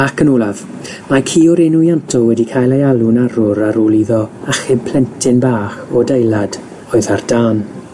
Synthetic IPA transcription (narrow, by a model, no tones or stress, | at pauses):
akʰənɔlˠað̥ | makʰiːɔɾɪnujantʰɔwɛdikʰaːjlˠejalˠʊnaɾʊɾaɾolˠiðɔaχɪpʰl̥ɛntʰɪnbaːχɔdejlˠad̥ | ɔːɨðard̥aːn